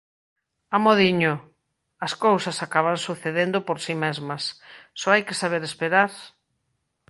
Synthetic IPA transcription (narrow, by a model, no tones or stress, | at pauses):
amoðiɲʊ | ɐskowsɐsakaβansuθeðend̪ʊpoɾsimezmɐssɔajkesaβ̞eɾespeɾaɾ